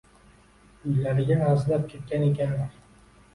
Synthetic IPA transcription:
ʊjlaɾɪɡʲaɑzlap̚kʲʰet̪̚kʲanekʲʰanɾ

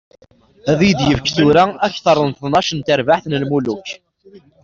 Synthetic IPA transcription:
æðjd̪jəvkθuɾaæçθəɾˤənθnɑʃənt̪əɾvaħθnəlmuluç

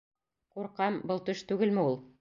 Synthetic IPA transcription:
quɾqɑmbɤlˠt̪ɵʃt̪ʉɡɘlmɘ̆ulˠ

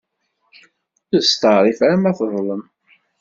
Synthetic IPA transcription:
əðst̪ɑɾˤifæɾəmæθðˤləm

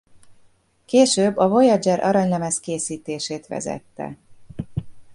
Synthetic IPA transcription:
keːʃøːbːɒvo̞jɒd͡ʒɛɾʔɒ̰ɾɒɲlɛmɛskeːsiːt̪eːʃeːt̪ʋɛ̰zɛ̰t̪ːɛ̰

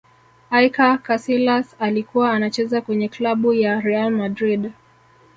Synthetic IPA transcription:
ajkakasilasalikuwaːnat͡ʃɛzakwɛɲɛklaɓujaɾɛalmadɾiɗ

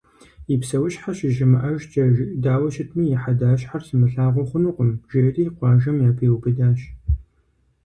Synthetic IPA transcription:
ipsɐwʊɕħaɕɪʒɪmɨʔɐʒd͡ʒɐʒɪdaːwɐʃɪtʰmijɛħadaːɕħarsɨmɨɬaːʁʷɔχʷʊnuqʷʊmʒeːriːqʷɑːʒɐmjaːpʰeːwpɨdaːɕ

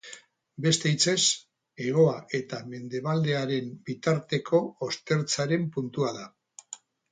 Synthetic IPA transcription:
be̞st̪e̞it͡se̞s | e̞ɣ̞o̞aʔe̞t̪ame̞nd̪e̞β̞ald̪e̞aɾe̞mbit̪aɾt̪e̞kʰo̞ːst̪e̞ɾt͡saɾe̞mpunt̪uaða

